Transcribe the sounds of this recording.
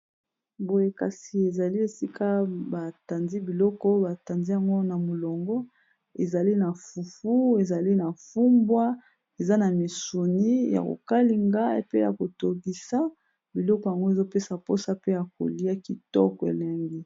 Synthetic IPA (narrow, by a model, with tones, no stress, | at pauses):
bo˨je˦ka˨si˨e˨za˨li˦e˨si˦kʰa˦ba˨ta˨nzi˦bi˨lɔ˦kɔ˦ba˨ta˨nzi˦ja˨ŋɡo˦na˨mo˨lɔ˨ŋɡɔ˦ | e˨za˨li˦na˨fu˨fu˦e˨za˨li˦na˨fu˦mbwa˦ | e˨za˦na˨mi˨su˨ni˦ja̰˨ko̰˨ka˦li˨ŋɡa˦e˨pe˦ja̰˨ko˨to˨ɡi˨sa˦ | bi˨lɔ˦kɔ˨ja˨ŋɡo˦e˨zo˦pe˦sa˨po˦sa˦pe˦ja˨k̚o̰˨li˦a˦ki˨tɔ̰˦kɔ˨ḛ˨lɛ˨ŋɡi˦